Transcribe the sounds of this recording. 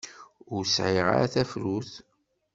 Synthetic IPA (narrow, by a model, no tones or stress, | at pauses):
ʊɾsʕiʁa̰ɾæ̰θæfɾuθ